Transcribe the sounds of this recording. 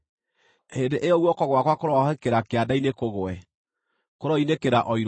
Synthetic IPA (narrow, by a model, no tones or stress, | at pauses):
hendeʔeɔɣwɔkɔɣwakwakoɾɔɦɛkeɾakeadainekoɣoɛ | koɾɔinekeɾaʔɔiɾ